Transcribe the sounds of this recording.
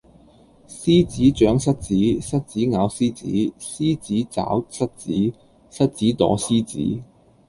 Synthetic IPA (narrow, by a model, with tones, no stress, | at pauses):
siː˥t͡siː˨˥t͡ʃœː˨˥ŋsɐ˥t̚t͡siː˨˥sɐ˥t̚t͡siː˨˥ŋaː˨˧wsiː˥t͡sḭː˨˥siː˥t͡siː˨˥t͡sa̰ː˨˥wsɐ˥t̚t͡siː˨˥ | sɐ˥t̚t͡siː˨˥t̪ɔ̰ː˨˥siː˥t͡sḭː˨˥